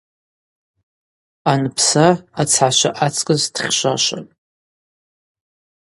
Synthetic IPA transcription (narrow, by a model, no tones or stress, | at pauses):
anpʰsaːt͡sʰħaʃʷa̰ʔat͡sʼkʼɨzd̥χʲʃʷaʃʷa̰nʼ